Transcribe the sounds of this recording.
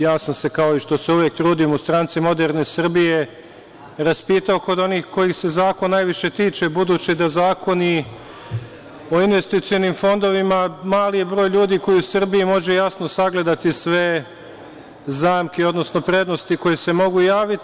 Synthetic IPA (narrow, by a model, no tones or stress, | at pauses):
jaːsamse̞kao̞iʃt̪o̞se̞uʋjek̚t̪ɾuːd̪imust̪ɾaːnt̪simo̞d̪eɾne̞sɨr̩bije̞ | ɾaspiːt̪aoko̞d̪o̞niːxko̞jixse̞zaːkonːajʋiʃe̞t̪iːt͡ʃe̞bud̪uːt͡ɕid̪azaːko̞ni | o̞inʋe̞st̪it̪sijo̞nimfo̞nd̪o̞ʋimamaːlijebɾoːjʎuːd̪iko̞jiusr̩biimo̞ʒe̞jasno̞saɡle̞d̪at̪isʋe̞ | zaːmkeo̞d̪no̞sno̞pɾe̞d̪no̞st̪iko̞jese̞mo̞ɡujaːʋit̪